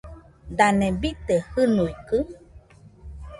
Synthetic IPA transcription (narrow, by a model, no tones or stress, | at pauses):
d̪anẽbit̪ehɨnuikɨ